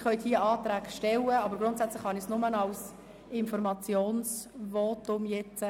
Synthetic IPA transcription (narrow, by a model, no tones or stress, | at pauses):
χœʏtdiːəɑːt̪ɾæːɡʃtɛləɑbəɾɡɾʊntsæt͡slɪχhɑnɪsnʊmənɑls | ɪnfɔɾmɑt͡sjoːnsʋɔːtʊmjɛt͡sə